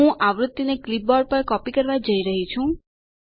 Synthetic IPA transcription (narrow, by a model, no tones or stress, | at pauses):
ũʔaʋɾʊt̪ːineklip̚bɔɖ̚pəɾkɔpikəɾʋad͡ʒəiɾəɦit͡ʃʰũ